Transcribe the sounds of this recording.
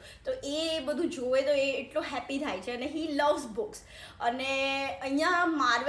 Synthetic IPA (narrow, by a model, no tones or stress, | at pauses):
t̪oʔebəd̪ʱũd͡ʒoʋet̪oeːʈloɦɛpit̪ʰajt͡ʃʰeəneɦiləʋzbʊks | əneəĩjãmaɾʋ